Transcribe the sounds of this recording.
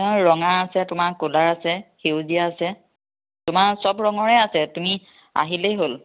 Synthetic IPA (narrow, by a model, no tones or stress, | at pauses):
ɔ̃ɹɔŋaasɛtʊmaɹkolaɹasɛxewzijaːsɛ | tʊmaɹsɔbɹɔŋɔɹɛasɛtumi | a̰ɦilejɦol